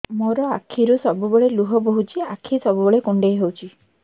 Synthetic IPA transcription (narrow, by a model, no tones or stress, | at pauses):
moɾɔakʰːiɾusɔbubeɭeluɦɔboɦut͡ʃʰiakʰːisɔbubeɭekuɳɖejɦewt͡ʃʰi